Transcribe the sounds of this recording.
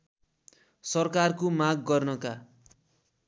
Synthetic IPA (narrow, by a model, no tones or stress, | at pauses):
sʌrkarkomaɡːʌrnʌka